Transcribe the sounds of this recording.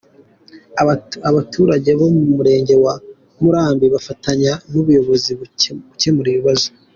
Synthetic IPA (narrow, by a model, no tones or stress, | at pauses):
aβatʰuːɾaɟe̞βo̞mumuɾe̞ːɲɟe̞wa | muɾaːmbiβafataɲanuβujo̞βo̞ziβuce̞muɾiβiβazo